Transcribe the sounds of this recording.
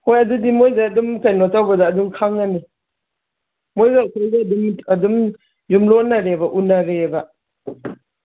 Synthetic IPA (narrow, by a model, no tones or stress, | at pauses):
hojadudimojzaɐdumsajnɔtawbazaːdumkʰaŋːani | mojɡakʰɔjzaɐdumɐdum | jumlɔnaɾebaʔunaɾeba